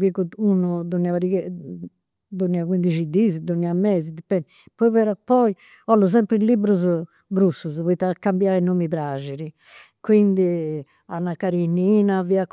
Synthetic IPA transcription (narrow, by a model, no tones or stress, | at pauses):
bikuunud̪oniavaɾikɛ | d̪oniːakwind̪id͡ʒid̪izid̪oniamɛːzid̪ipːɛnd̪ | pɔiβɛɾapɔi | ɔlːuz̬ɛmpɾilibɾuz | ɡɾusːuzβɔit̪ːakːambjainoːmipɾad͡ʒeɾi | kwind̪i | anːakaɾiniːnaviak